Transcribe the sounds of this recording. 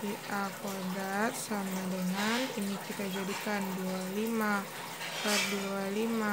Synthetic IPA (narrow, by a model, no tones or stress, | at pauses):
iʔakaɡat̪̚samadəŋaninikit̪ad͡ʒadikandualima | pat̪̚dualima